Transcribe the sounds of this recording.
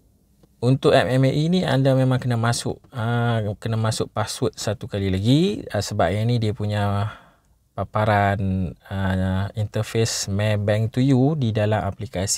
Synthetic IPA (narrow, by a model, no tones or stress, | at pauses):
unt̪ʊʔɛmɛmʔiniandamẽmãŋkənamasʊ̰ʔəkənamasʊʔpaswut̪̚sat̪ukalilaɡiəsəbaʔ̚ɲanĩdiapuɲa | papaɾanəint̪əfesmɛbɛŋt̪ujudidalama̰plikasi̥